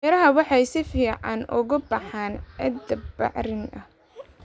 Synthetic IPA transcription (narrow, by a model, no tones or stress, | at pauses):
ɾɐɦɐwɑħɑjsɪfiːʕɑnʊ̰ɣʊbɑħanɛ̰d̪ɐbɑ̰ʕɾɪnɐh